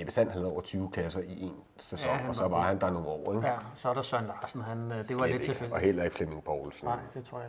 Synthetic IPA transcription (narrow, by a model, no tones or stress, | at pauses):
eb̥isæn̰dhæð̩ˠɒ̰ʊ̰ɐt͡sʰyːʊkʰlæsɐʔiʔe̝ːn | sesɒ̽ŋ̰ɒ̽sɒ̽ʋɑ̈hænd̥ɑ̈no̝ːɒ̰ːeɡ̥sɒɾasɒnlɑːsn̩ɦænd̥e̝ʋɑeḛɒ̽hel̰ɐe̝ɡ̥fleme̝ŋpʰɒʊlsn̩̰d̥et͡sʰʁo̰j